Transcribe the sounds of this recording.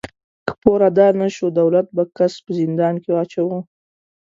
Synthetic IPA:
kə̥poɾad̪ɑnaʃod̪awlat̪̚bakaspəzɪnd̪ɑnkeɑt͡ʃawu

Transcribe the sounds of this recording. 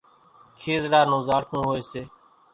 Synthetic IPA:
kʰeːzɾaːnõːzaːɾkʰũːɦoːeːseː

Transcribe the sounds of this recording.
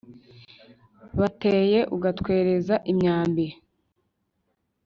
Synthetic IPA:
βateːje̞ʔuɡatkwe̞ːɾe̞zaʔimɲaːmbiɾe

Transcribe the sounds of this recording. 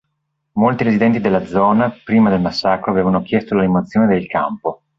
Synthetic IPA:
molt̪iɾezid̪ɛnt̪id̪elːad̪zɔːnapɾiːmad̪elmasːaːkɾoaveːvanokjɛst̪olalimoat̪sːjoːned̪elka̰mpo

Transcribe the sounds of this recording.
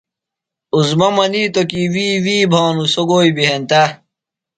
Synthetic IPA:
uzmɐmɐniːt̪okiːwiːwiːbʱaːnusoɡoːibiɦent̪ɐ

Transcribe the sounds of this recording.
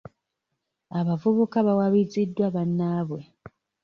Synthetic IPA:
aβavuβukaβawaβizidːwaβanːaːβwe̞

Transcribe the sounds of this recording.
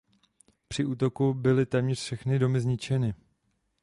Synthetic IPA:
pr̥ɪuːt̪o̞kubɪlɪt̪ɛːmɲɛr̥fʃɛxnɪdo̞mɪzɲɪt͡ʃɛnɪ

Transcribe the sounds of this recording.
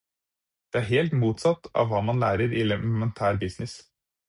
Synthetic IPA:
d̪̥ɛæɾɦeːlt̪muːt̪sɑt̪ːɑ̰ʋʋːɑːmɑnlæːɾəɾɪlɛmɛnt̪ʰæːɾbɪsnɪs

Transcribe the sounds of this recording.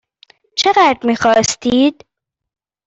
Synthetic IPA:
t͡ʃʰeɣæːd̪ɾmiːxɒːst̪ʰiːd̪̥

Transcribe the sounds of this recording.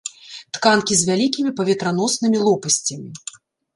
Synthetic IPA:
t̪kankʲizʲvʲalʲikʲimʲipɐvʲɛt̪ɾan̪ɔsnɨmʲilˠɔpɐsʲt͡sʲɐmʲi

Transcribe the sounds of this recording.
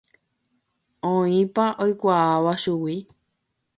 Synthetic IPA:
õĩpaʔojkʷaaʋaʃuwi

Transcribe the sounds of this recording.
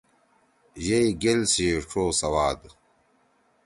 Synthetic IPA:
ʑejɡelsiʈ͡ʂʰoːsɐwaːd̪

